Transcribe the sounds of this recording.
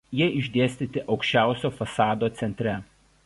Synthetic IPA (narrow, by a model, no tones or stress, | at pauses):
jiɛɪʒʲd̪ʲeɛsʲt̪ʲɪt̪ʲɪʔɒʊkʃʲt͡ʃʲæˑʊsʲoːfɐsɑːd̪oːt̪sʲɛnʲt̪ʲɾʲɛ